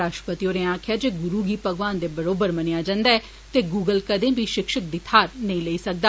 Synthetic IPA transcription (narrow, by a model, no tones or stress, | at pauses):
ɾaːʃʈə̥pət̪ijoːɾẽːãːkʰɪjaːd͡ʒeːɡʊɾuːɡiːpəɡʋaːnd̪eːbəɾoːbəɾmənɪjaːd͡ʒãːnd̪aːɛː | t̪eːɡuːɡəlkəd̪ẽːbʱiːʃɪkʃək̚d̪ɪt̪ʰaːɾnəĩːləiːsək̚d̪aː